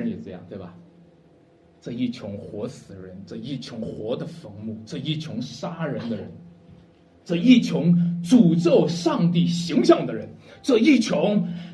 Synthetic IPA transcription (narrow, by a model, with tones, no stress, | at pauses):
ə˧njɛ˨˩ʈ͡ʂɤ˥˧jɑ˥˩ŋt̪we˥˩ɪbɐ˩ | ʈ͡ʂɤ˥˧i˥˩t͡ɕʰjʊ˧˥ŋxwɔ˧˥sɹ̩˨˩ɻə̰˧˥nʈ͡ʂɤ˥˧i˥˩t͡ɕʰjʊ˧˥ŋxwɔ˧˥d̪ə˧fɤ˧˥ŋmu˥˩ʈ͡ʂɤ˥˧i˥˩t͡ɕʰjʊ˧˥ŋʂa˥ɻə˧˥nd̪ə˧ɻə̰˧˥n | ʈ͡ʂɤ˥˧i˥˩t͡ɕʰjʊ˧˥ŋʈ͡ʂu˨˩ʈ͡ʂo˥˧ʊʂɑ˥˧ŋt̪̬i˥˩ɕi˧˥ŋɕjɑ˥˩ŋd̪ə˩ɻə˧˥nʈ͡ʂɤ˥˧i˥˩t͡ɕʰjʊ˧˥ŋ